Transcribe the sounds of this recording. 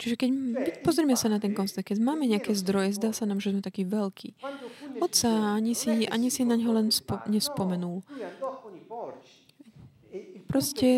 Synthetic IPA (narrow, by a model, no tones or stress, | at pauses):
t͡ʃiʒɛkɛɟipɔzɾiɛmɛsanat̪ɛŋkɔnsɛkɛɟmaːmɛɲɛakɛːzd̪ɾɔjɛzd̪aːsanaːmʒɛzmɛt̪akiːʋɛlkʰḭːɔt̪saaɲisiʔa̰ɲisinaɲɦɔlɛnspɲɛspɔmɛnul | pɾɔscɛ